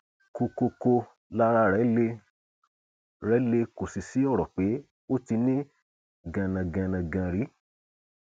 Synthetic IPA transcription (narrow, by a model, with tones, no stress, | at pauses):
ko˧ko˧ko˧ | la˦ɾa˦ɾɛ˨˦le˧ | ɾɛ˨˦le˧ko˨si˨si˨˦ɔ˦˨ɾɔ˨k͡pe˨˦ | o˦ti˧nĩ˦ | ɡã˨nã˨ɡã˨nã˨ɡã˨ɾi˨˦